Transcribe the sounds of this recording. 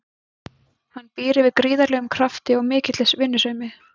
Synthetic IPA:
hanːpiːɾɪvɪðkɾiːðaɾlɛːɣʏmkʰɾaft̪ɪɔɣmɪːcɪt̪lɛsvɪnːʏsœːɥmɪ

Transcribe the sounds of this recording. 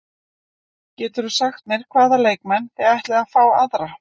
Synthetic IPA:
cɛːt̪ʏɾusaxt̪nejɾ̥kʰvaːðaleːjk̚mɛnθɛajht̪lɛɣafaːwaðɾa

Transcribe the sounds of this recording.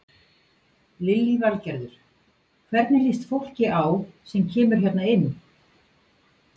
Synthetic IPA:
lɪlːivalcɛɾðʏɾ̥ | kʰvɛɾt̪nɪlist̪fowl̥cɪʔawsɛmcʰɛːmʏɾ̥çɛt̪naɪnː

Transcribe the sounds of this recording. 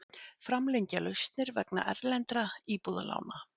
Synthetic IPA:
fɾamleɲcalœɥst̪nɪɾvɛkna̰ʔɛɾlɛnt̪ɾaiːpuða̰la̰ːwna

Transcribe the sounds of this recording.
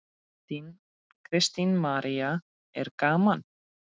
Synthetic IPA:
t̪in | kʰɾɪst̪inmaɾia | ɛɾkaːman

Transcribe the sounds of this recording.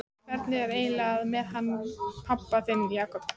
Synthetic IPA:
ɛɾt̪nɪɣɛɾeːjlaðmɛðɦanːpʰapːaθɪmjaːkɔp

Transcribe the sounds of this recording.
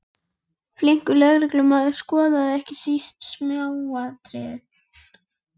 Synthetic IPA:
fliŋ̥kʏlœɣɾɪklʏmaːðʏɾ̥skɔːðaðɪɛhcɪsist̪smjawat̪ʰɾɛ̰ːðʏ

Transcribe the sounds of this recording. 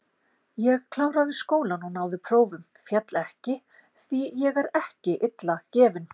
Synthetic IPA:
jɛɣkʰlawɾaðɪskoːwlanunaːwðʏpʰɾoːwvʏm | fjat̪lɛhcɪ | θijɛɣɛɾɛhcɪʔɪt̪lacɛːvʏn

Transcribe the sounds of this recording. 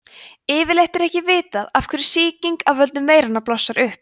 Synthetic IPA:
ɪːvɪɾlejht̪ɛɾɛhcɪvɪːt̪aðafkʰvɛɾɪ̥siːciŋkaðvœlt̪ʏmːeːjɾanaplɔsːaɾʏhp̚

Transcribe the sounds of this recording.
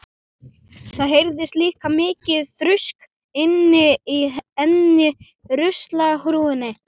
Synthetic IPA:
θaðɦejɾðɪst̪liːkamɪːcɪðθɾʏsk | ɪnːɪiɛnːɪ | ɾʏst̪lahɾuːɪnːɪ

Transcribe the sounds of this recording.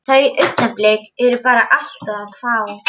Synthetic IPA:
θaðiʔʏɥt̪naplɛːkɛɾʏpaːɾaʔal̥t̪aðaðfaːw

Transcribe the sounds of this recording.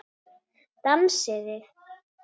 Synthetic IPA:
t̪amsɪðɪ

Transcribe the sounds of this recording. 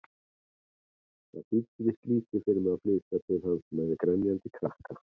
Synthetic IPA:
θa̰ðfit̪vɪst̪liːt̪ɪfɪɾmaðflɪt̪at̪ʰɪlhansmɛðɪkɾɛnjant̪ɪkʰɾahka

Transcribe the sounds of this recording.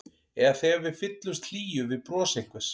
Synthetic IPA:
ɛɣaθɛɣavɪðfɪt̪lʏst̪l̥iːjʏvɪðpɾɔːsejhkvʏs

